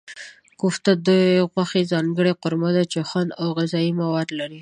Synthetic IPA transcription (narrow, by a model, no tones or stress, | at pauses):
kʊft̪ad̪ujɣwaxezɑŋɡəɽeqʊɾmad̪at͡ʃexwand̪awɣɪzɑimawɑd̪laɾi